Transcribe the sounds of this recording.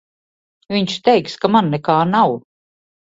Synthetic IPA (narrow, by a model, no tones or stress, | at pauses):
viɲʃt̪ɛjkskamanːɛkaːnaw